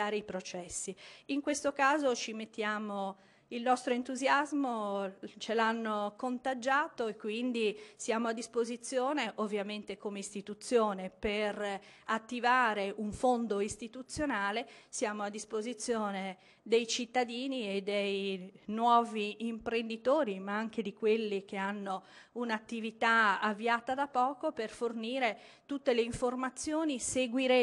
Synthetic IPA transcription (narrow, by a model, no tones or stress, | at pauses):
aːɾeipɾot͡ʃɛsːiiŋkwest̪okaːzot͡ʃimet̪ːjaːmo | ilnɔst̪ɾoent̪uzjazmot͡ʃelanːokont̪ad͡ʒaːt̪oekːwind̪isjaːmoad̪ːispozit̪sːjoːneʔovːjament̪ekomeist̪it̪ut̪sːjoːneper | at̪ːivaːɾeʔuɱfond̪oist̪it̪ut̪sjonaːlesjaːmoad̪ːispozit̪sːjoːne | d̪ejt͡ʃit̪ːad̪iːnied̪ejnwɔːviimpɾend̪it̪oːɾimaaŋk̟ed̪ikwelːik̟eanːounat̪ːivit̪aavːiaːt̪ad̪apɔːkoperforniːɾe | t̪ut̪ːeleiɱformat̪sːjoːniseɡwiɾe